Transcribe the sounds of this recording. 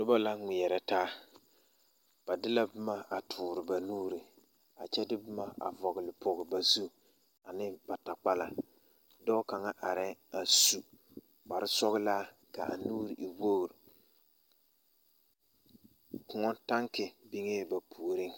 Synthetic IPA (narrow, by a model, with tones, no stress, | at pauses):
dʊ˦ba˦la˦ŋʷi˨ɛ˨ɾɛ˨taː˦ | b̥a˨dɪ˦la˦bɪ˦ma˦ʔa˨tʰʊː˨ɾɪ˨ba˨nuː˦ɾi˨ | a̰˨t͡ʃɛ˦dɪ˦bʊ˦ma˦a̰˨vɔ˨ɣɪ˨lɪ˨pʰɔ˨ɣɪ˨ba˨zu˦ | a˨nɪ˦ba˨ta˨k͡pa˦la̰˨ | dɔ˦ka˨ŋa˦ʔa˨ɾɪ˦a˨su˨ | ɡ͡ba˨ɾɪ˦sɔ˦ɣɪ˦laː˦ | ka̰˨ʔa̰˨nuː˦ɾɪ˨ʔi˨wo˦˨ɾɪ˨ | kʊ˨ŋɔ˦nta˦ŋkɪ˨bi˦ŋe˦ba˨pʰu˨o˨ɾɪ˦ŋ